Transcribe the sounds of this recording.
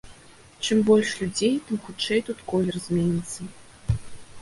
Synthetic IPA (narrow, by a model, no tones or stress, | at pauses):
t͡ʂɨmbɔlʲʂlʲud͡zʲejt̪ɨmxut͡ʂɛjt̪ut̪kɔlʲɛrɐzʲmʲɛnʲit̪sːɐ